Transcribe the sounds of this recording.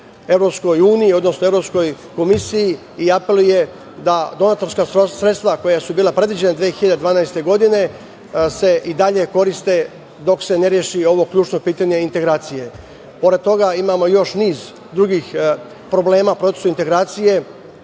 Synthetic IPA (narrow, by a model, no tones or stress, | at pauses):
e̞ʋɾo̞psko̞juːnijio̞d̪nosnoevɾo̞psko̞j | ko̞misiji | iape̞lˠuje̞ | d̪ad̪o̞naːt̪o̞ɾskaːsɾet̪st̪ʋako̞jasubiːlˠapɾe̞d̪ʋid͡ʑenad̪ʋiːexiʎad̪ed̪ʋaːnajst̪e̞ɡo̞d̪ine̞ | se̞ʔid̪aʎe̞ko̞ɾist̪e̞ | d̪o̞kse̞neɾjeʃio̞ʋo̞kʎʲuːt͡ʃno̞piːt̪aɲeint̪e̞ɡɾaːt̪sije̞ | po̞ɾed̪̚t̪o̞ɡaimaːmo̞jo̞ʃniːz | d̪ɾuɡiːx | pɾo̞ble̞ːmaːpɾo̞t̪esuint̪e̞ɡɾaːt̪sije̞